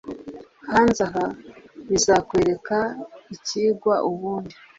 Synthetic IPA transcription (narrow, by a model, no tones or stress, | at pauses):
hanzaɦaβizakwe̞ːɾe̞kaiciːɡwaʔuβuːndi